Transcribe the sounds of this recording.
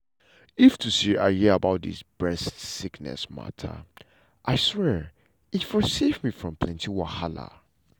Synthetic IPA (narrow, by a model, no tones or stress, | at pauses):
iftʰusiahiabaʊt̚dḭsb̥ɹɛstsiknɛ̰sma̰tʰə̰ | ʔaɪswɛɹ | itfɔsevmifɹɔ̃mpʰlɛ̃ntiwahala̰